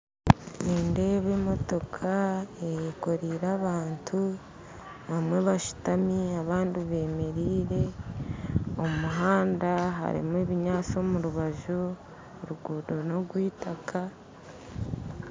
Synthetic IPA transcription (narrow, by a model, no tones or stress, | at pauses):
niːnde̞βemo̞to̞kʰaejeko̞ɾiɾaβaːntʰu | βamwe̞βaʃu̥tamiaβaːndiβe̞ːme̞ɾiːɾe̞ | omuɦaːndaɦa̰ɾḭmweβiɲaːt͡so̞muɾuβaʒu | oɾuɡuːdo̞no̞ɡwiːtakʰa